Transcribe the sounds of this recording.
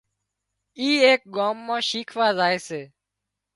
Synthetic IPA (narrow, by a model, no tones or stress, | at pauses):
iːeːk̚ɠaːmːãːʃiːkʰʋaːzaːeːseː